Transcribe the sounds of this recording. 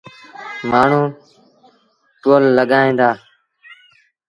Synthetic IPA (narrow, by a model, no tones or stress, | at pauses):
maːɳ̤uː | ʈoːlːəɠaːĩːnd̪aː